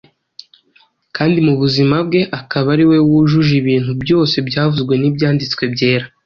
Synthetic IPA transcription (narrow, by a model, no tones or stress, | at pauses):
kaːndimuβuzimabɡe̞ʔakaβaɾiwe̞wuʒuʒiβiːn̥hubjo̞ːse̞bɟaːvuzɡwe̞nibjaːndit͡swe̞bɟe̞ːɾa